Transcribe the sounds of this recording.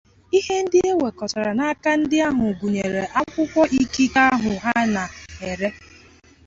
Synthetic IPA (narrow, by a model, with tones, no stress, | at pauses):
i˦ɦe˦n̩˦dɪ˦e˦we˨kɔ˨ta˨ɾa˨na˦ka˦n̩˦dɪ˦a˦ɦʊ˨ɡʷu˨ɲe˨ɾe˨ʔa˦kʷʊ˦kʷɔ˦ʔi˦ki˦ka˦ɦʊ˨a˦na˨e˨ɾe˦